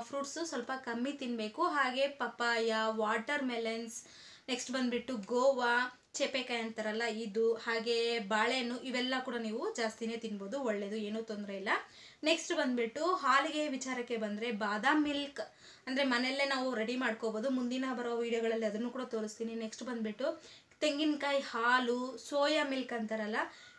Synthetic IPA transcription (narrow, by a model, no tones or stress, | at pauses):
pʰɾuːʈsusʋɐlpɐkɐmːit̪inbe̞ːkuɦaːɡe̞pɐpaːjaʋaːʈɐɾmelens | neksʈbɐnd̪biʈːuɡoːʋa | t͡ʃepekajɐnt̪ɐɾɐlːɐid̪uhaːɡe̞baːɭejɐnːuʔiʋɛlːɐkuːɽɐniːʋud͡ʒaːst̪ine̞ːt̪inbo̞ːd̪uɔɭːe̞ːd̪ue̞ːnuːt̪ond̪ɾeilːɐ | neksʈbɐnd̪biʈːuɦaːliɡe̞ʋit͡ʃaːɾɐkːe̞bɐnd̪ɾe̞baːd̪aːmilk | ɐnd̪ɐɾe̞mɐnelːe̞naːʋuɾe̞ɽimaːɽkobo̞ːd̪umund̪inɐbɐɾɐʋɐʋiːɽijɐɡɐɭɐlːiɐd̪ɐnːuːkuːɽɐt̪o̞ːɾist̪iːnine̞ksʈbɐnd̪biʈːu | t̪e̞ŋɡinkaːjhaːlusoːjɐmilkɐnt̪ɐɾɐlːɐ